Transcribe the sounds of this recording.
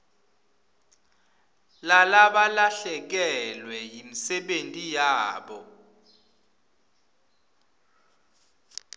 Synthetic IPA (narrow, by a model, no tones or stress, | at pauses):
lalaɓalaɬɛk̬ɛlwɛjimisɛɓentʼijaːɓɔ